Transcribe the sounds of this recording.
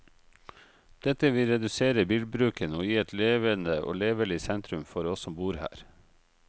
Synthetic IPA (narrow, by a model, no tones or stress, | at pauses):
d̪̥ɛt̪əʋɪlɾɛd̪ʉseːɾəbiːlbɾʉːkənəoːjiːɛt̪leːʋənəʔo̰ːleːʋəɭɪsɛnt̪ɾʉmfɔɾɔssɔmbuːɾhæ̰ːɾ